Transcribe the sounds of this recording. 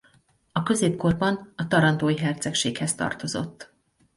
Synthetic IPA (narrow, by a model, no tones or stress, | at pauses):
ɒkø̞zeːpko̞rbɒnɒt̪ɒɾɒnd̪oːjiɦɛrt̪sɛkʃeːkhɛst̪ɒ̰rt̪o̞zo̞̰t̪ː